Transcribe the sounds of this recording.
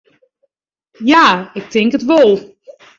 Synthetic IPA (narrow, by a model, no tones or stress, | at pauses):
jaːɪk̚tʰɪŋkətʋolˠ